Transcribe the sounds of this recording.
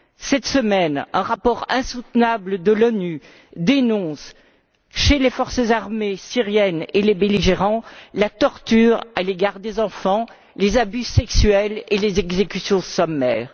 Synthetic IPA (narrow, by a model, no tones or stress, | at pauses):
sɛt̪səmɛnɛ̃ʁapɔʁɛ̃sut̪nabləd̪əlɔny | d̪enɔ̃s | ʃelefɔʁsəzaʁmesiʁjɛnelebeliʒeʁɑ̃lat̪ɔʁt̪yʁaleɡaʁd̪ezɑ̃fɑ̃ | lezabysɛksɥɛlelezɛɡzekʲysjɔ̃sɔmːɛːʁ